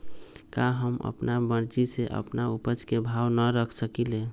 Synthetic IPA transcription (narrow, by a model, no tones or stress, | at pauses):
kaɦəmə̰pnabəɽd͡ʒiseʔə̰pnaupəd͡ʒkebʱawnəɾəkʰsəkile